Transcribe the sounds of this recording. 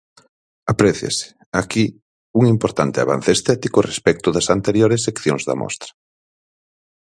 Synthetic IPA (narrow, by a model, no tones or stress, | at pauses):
apɾɛθja̰sɪ̥ | aki | uŋimpoɾt̪ant̪ɪa̰βa̰n̟θest̪ɛt̪ikʊrespɛk̚t̪ʊðɐsant̪eɾjoɾes̬ːekθjoŋzðɐ̰mʔɔ̰st̪ɾɐ̥